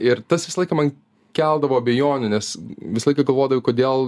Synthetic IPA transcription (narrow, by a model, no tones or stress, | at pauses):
ɪɾt̪ɐsʋʲɪsɐlˠɐɪkɐmɐn | kʲɛlˠd̪ɐʋoːɐbʲɛjoːnʲʊnʲɛsʋʲɪsɐlˠɐɪkɐɡɐlˠʋoːd̪ɐʋʲɪkoːd̪ʲeːlˠ